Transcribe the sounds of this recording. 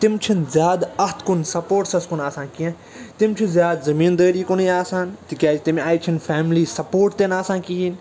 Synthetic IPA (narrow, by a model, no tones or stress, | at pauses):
t̪ɪmt͡ʃʰinzjaːd̪ɐɦt̪kʊnsɐpoːʈsɐskʊnaːsãːnkiẽ | t̪ɪmt͡ʃʰizjaːd̪zɐmiːnd̪əːɾiːkʊnijaːsãːnt̪ikʲaːd͡ʒit̪imaːit͡ʃʰinfʰaːmliːsɐpoːɾʈt̪enaːsãːkiin